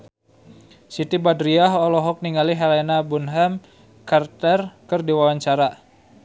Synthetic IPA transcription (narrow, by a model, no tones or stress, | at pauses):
sit̪ibadɾiaɦɔlɔɦɔk̚niŋaliɦalenabunɦam | kart̪ɛrkərdiwawaɲt͡ʃaɾa